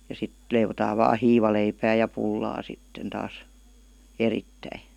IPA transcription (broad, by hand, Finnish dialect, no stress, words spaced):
jɑ sit leiʋotɑːʋ ʋɑː hiːʋɑleipæː jɑ pulːɑː sitːen tɑːs eritːæi